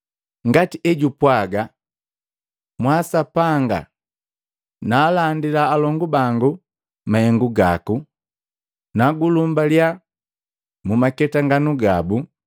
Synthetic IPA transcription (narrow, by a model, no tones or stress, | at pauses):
ŋɡatiɛɟupwaɡa | mwasapaŋɡa̰ | naːlandilaːlɔŋɡubaŋɡu | mahɛŋɡuɡa̰ku | naɡulumbalja | mumakɛtaŋɡanuɡabu